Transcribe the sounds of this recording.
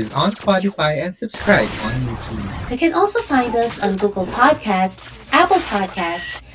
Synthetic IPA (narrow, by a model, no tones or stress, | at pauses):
ɪzə̃nspɑɾɨfaɪɨ̃nsəb̥skɹaɪbə̃njutʰṵbðeɪkɨ̃nʔɔlˠsoʊfãɪ̃ndʌsn̩ɡoɡəl̩ˠpʰɑd̚kʰæst | ʔæpl̩ˠpʰɑd̚kʰæst